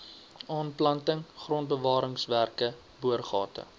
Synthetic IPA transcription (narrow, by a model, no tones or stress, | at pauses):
ɑːnplɐntəŋχrɔnt̚bəvɑːɾəŋsværkə | buərχɑ̰ːtə̰